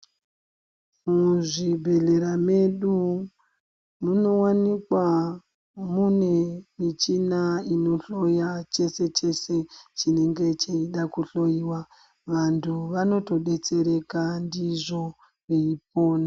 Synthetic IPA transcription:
muʐibʱe̞ɮe̞ɾame̞ɗu | muno̞wanikwa | mune̞mit͡ʃinaino̞ɬo̞jat͡ʃe̞se̞t͡ʃe̞se̞t͡ʃine̞ŋɡe̞t͡ʃeiɗakuɬo̞jiwa | ʋantʰuʋano̞to̞ɗe̞t͡se̞ɾe̞kandiʐo̞ | ʋeip̚o̞ːna

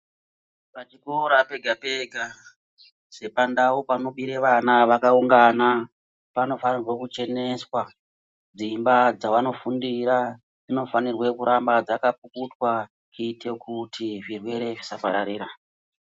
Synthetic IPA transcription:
ʋat͡ʃikoɾape̞ɡʱape̞ɡʱa | se̞pandawupanoɓiɾeʋanaʋakauŋɡana | pano̞fanirwe̞kut͡ʃe̞ne̞swa | d͡zimbad͡zawano̞fundiɾa | d͡zino̞fanirwe̞kuɾʔambad͡zakap̚ukutwa | kitʰe̞kutʰiʐirwe̞ɾe̞ʐisapaɾaɾiːɾa

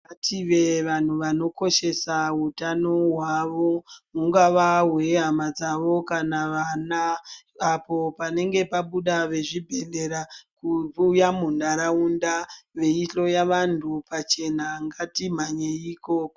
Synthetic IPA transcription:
atʰiʋe̞ʋan̤uʋano̞ko̞ʃe̞saɦutano̞ɦwaʋo̞muŋɡaʋaɦwe̞ɦamad͡zaʋo̞kanaʋanaː | po̞pane̞ŋɡe̞paɓuɗaʋe̞ʐibʱe̞le̞ɾakuujamundaɾaundaʋe̞iɬo̞jaʋantʰupat͡ʃe̞naŋɡatim̤aɲeiko̞ko

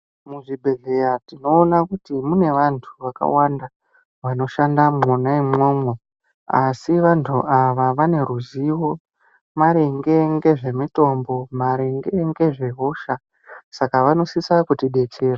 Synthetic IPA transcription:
muʐibʱeɮe̞jatino̞ːnakutimune̞ʋantʰuʋaka̰wanda | ʋano̞ʃandamonaimwoːmwe | asiʋantʰuʔaʋaʋane̞ɾuziwo̞ | maɾeŋɡe̞ŋɡe̞ʐe̞mito̞mbo̞maɾe̞ŋɡe̞ŋɡe̞ʐe̞ɦo̞ʃa | sakaʋano̞sisakutiɗe̞t͡ʃe̞ːra

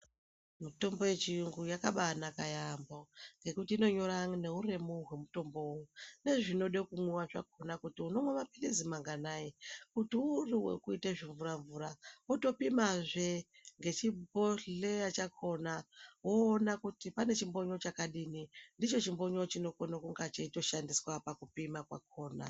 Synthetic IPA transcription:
mito̞mbo̞je̞t͡ʃiuŋɡujakaɓanakajamboŋɡe̞kutiːno̞ɲo̞ɾaŋne̞ure̞muɦwe̞muto̞mbooune̞ʐino̞ɗekumwuwaʐa̰k̚o̞nakutiuno̞mwamapilizimaŋɡanaikutiuriwḛkuiteʐiɱvuɾaɱvuɾawoto̞pimaʐe̞ | ŋɡe̞t͡ʃibo̞ɮe̞jat͡ʃakʰo̞nawo̞ːnakutipane̞t͡ʃimbo̞ɲo̞t͡ʃakaɗinindit͡ʃo̞t͡ʃimbo̞ɲo̞t͡ʃino̞konokuŋɡat͡ʃaito̞ʃandiswapakupimakwa̰k̚ʰo̞ːna̰

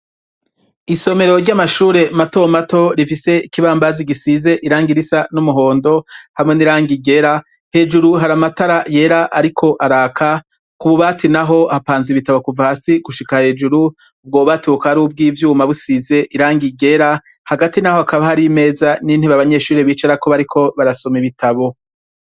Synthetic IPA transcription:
iso̞me̞ɾo̞ɾɟamaʃuːɾe̞mato̞mato̞ɾifise̞ikiβaːmbaziɡisize̞ʔiɾaːŋɡiɾisanumuɦo̞ːndo̞hamŋe̞niɾaːŋɡiɟe̞ɾa | he̞ːd͡ʒuɾuɦaɾamataɾaje̞ɾaʔaɾikʰo̞ʔaɾaːkʰa | kuβuβaːtinaɦo̞hapaːnziβitaβokuvahasiɡuʃikahe̞ːd͡ʒuɾu | ub̚ɡo̞ːβatiukaaɾub̚ɡiːvjuːmaβusize̞ʔiɾaːŋɡiɡe̞ɾa | haɡatinahoakaβahaɾime̞ːzanin̥hiβaβaɲe̞ːʃuːɾeβiːt͡ʃaɾako̞βaɾikʰo̞βaɾaso̞miβitʰaβo̞

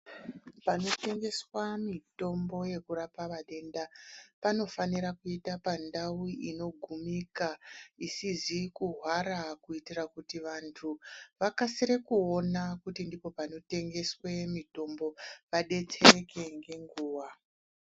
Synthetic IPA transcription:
pano̞te̞ŋɡe̞swamito̞mbo̞je̞kuɾapaʋaɗe̞ndapano̞faniɾakuitapandauino̞ɡʱumikaisizikuɦwaɾakuitirakutiʋantʰuʋakasiɾe̞kuo̞nakutindipo̞pano̞te̞ŋɡe̞swe̞mito̞mbo̞ʋaɗe̞t͡se̞re̞ke̞ŋɡe̞ŋɡuːʋa

